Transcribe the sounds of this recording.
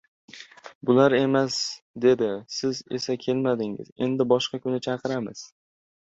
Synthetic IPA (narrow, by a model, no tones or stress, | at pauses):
bʊlaɾe̞mas | d̪e̞d̪ɪsɪze̞sakʲʰe̞lmad̪ɪŋɪ̰ze̞̰nd̪ɪbɒʃqɑkʰʊnɪt͡ʃʰɑqʰɨɾamɪ̰z̥